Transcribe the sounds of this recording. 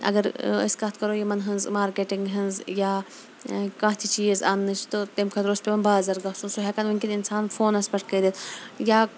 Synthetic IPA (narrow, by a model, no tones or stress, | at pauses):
ɐ̰ɡɐɾɐ̰skɐt̪ʰkɐɾojimɐnɦɨnzmaːɾkeʈiŋɡɦɐnzjaː | kãːt̪ʰit͡ʃiːzaːnːɨt͡ʃʰt̪ot̪emkʰɐt̪ɾoːspʲemɐnbaːzɐɾɡɐɦsũnsoɦekɐnmuŋkʲininsaːnfoːnɐspɐʈʰkɐd̪et̪ʰjaː